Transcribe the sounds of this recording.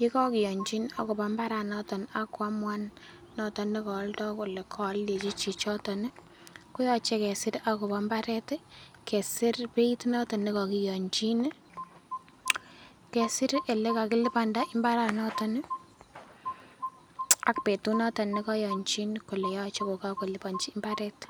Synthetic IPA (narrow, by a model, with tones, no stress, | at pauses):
ji˦kɔ˦kɪ˨jɔ˨ɲt͡ʃi˦na˨kʊ˨pɔ˦mba˦ɾa˨nɔtɔ˨na˨kwa˦mwa˦nː | ɔtɔ˦ne˦kɔ˨˦ltɔ˦ku˨le˨kʰɔ˨le˨t͡ʃi˦t͡ʃi˨t͡ʃɔ˦tɔ˨nɪ˦ | ku˦jɔt͡ʃe˦kɛ˨sɪ˦ɾa˨ku˨pɔ˦mba˦ɾɛ˦tɛ˦ | kɛ˨sɪ˦ɾpe˦i˦tu˦nɔ˦tɔ˨nɪkɔ˨kɪ˨jɔ˨ɲt͡ʃi˦n˦ | kɛ˨sɪ˦ɾe˨le˦ka˨kɪ˦lɪ˦panda˦ʔɪ˦mba˦ɾa˨nɔ˦tɔ˦nɪ˦ | a˨kpe˨tu˦nɔ˦tɔ˨nɪ˦kɔ˦jɔ˨ɲt͡ʃi˦nku˨le˨jɔt͡ʃeko˨kako˨lɪ˨pa˨ɲt͡ʃiː˦mba˦ɾɛ˦t